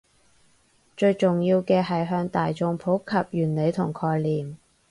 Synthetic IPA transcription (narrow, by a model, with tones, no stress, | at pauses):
t͡ʃɵ˧ɥt͡sʊ˨ŋjiː˧wkɛː˧ɦɐ˨jɦœː˧ŋt̪aː˨jt͡sʊ˧ŋpʰo˨˥kʰɐ˨p̚jyː˨˩nle˨˧jt̪ʰʊ˨˩ŋkʰɔː˧jliː˨˩m